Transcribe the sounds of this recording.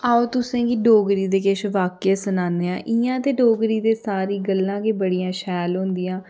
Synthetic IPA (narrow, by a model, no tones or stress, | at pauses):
aːoːt̪ʊsẽːɡiɖoːɡɾiːd̪eːkɪʃʋaːkeːsənaːneːãːʔɪãːt̪eːɖoːɡɾiːd̪eːsaːɾiːɡəlːãːkeːbəɽijãːʃɛːlɦõnd̪iːãː